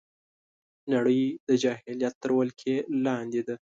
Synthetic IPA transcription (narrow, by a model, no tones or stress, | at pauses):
naɽəjd̪əd͡ʒɑɦɪljat̪ːəɾwəlkʰelɑnd̪ed̪a